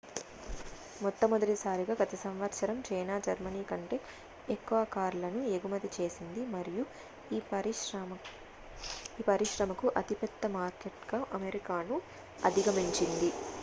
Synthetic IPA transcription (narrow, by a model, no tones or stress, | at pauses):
mɔt̪ːɐmod̪ɐʈisaːɾiɡaːɡɐt̪ɐsɐmʋɐɾʃɐɾɐmt͡ʃɐjnaːd͡ʒɐɾmɐniːkɐɳʈeː | ekːuʋɐkaːɾlɐnueɡumɐt̪it͡ʃe̞ːsind̪imɐɾiju | i | iːpɐɾiʃɾɐmɐkuʔɐt̪ipɛt̪ːɐmaːɾkeʈɡaʔɐmeɾikaːnu | ɐd̪ʱiɡɐmiɲt͡ʃind̪i